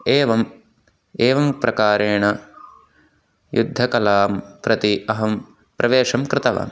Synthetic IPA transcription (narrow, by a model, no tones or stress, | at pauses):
eːʋɐm | eːʋɐmpɾʔɐkaːɾeːɳɐ | jud̪ʱːɐkɐlaːmpɾɐt̪iɐɦɐm | pɾʔɐʋeːʂɐmkɾɪt̪ɐʋa̰ːm